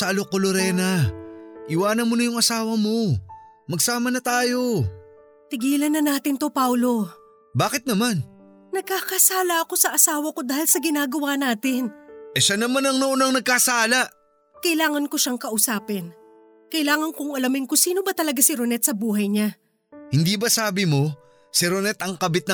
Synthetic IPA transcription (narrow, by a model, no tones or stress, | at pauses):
sɐɐlokoloɾɛːnɐ | ʔɪwaːnɐnmonɐjʊŋɐsaːwɐmo̞ | mɐɡsaːmɐnɐt̪aːjo̞ | t̪ɪɡiːlɐnːɐnaːt̪ɪnt̪o̞pawlo̞ | baːkɪt̪̚nɐman | nɐɡ̚kakɐsaːlɐɐko̞sɐʔɐsaːwɐko̞d̪aːhɪlsɐɡɪnaːɡɐwanaːt̪ɪnʔɛʃanɐmanɐŋnoʔonɐŋnɐɡ̚kasaːlaʔ | kɐɪlaːŋɐnko̞ʃaŋkɐʔʊsaːpɛn | kɐɪlaːŋɐnkʊŋɐlɐmɪnkʊsiːnobɐt̪ɐlɐɡasiɾonɛt̪sɐbuːɦɐjɲa | hɪnd̪ibɐsaːbɪmo̞ | siɾonɛt̪ʔɐŋkɐbɪt̪̚nɐ